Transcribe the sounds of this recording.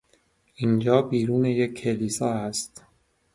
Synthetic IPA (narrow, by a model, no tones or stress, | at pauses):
ʔind͡ʒɒːbiːɾuːne̞jecʲʰːe̞liːsɒːæst̪